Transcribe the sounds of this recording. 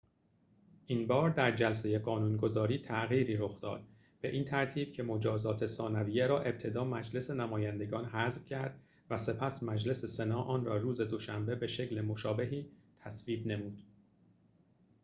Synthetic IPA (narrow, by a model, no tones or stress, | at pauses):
ʔiːnbɒːɾd̪æɾd͡ʒæls̬e̞je̞ɢɒːnuːnɡo̞zɒːɾiːt̪ʰæɣiːɾiːɾo̞xd̪ɒ̰ːd̪̥ | b̥e̞ʔiːnt̪ʰæɾt̪ʰiːb̥̚cʰe̞mo̞d͡ʒɒːzɒːt̪ʰe̞sɒːnæviːjeɾɒːʔe̞b̚t̪ʰe̞d̪ɒːmæd͡ʒle̞se̞næmɒːjænd̪e̞ɡɒːnɦæzv̥cʰæɾd̪̥ | væse̞pʰæsmæd͡ʒle̞se̞senɒːʔɒːnrɒːruːze̞d̪o̞ʃæmbe̞be̞ʃe̞cle̞moʃɒːbe̞ɦiːt̪ʰæsviːb̪ne̞muːd̪̥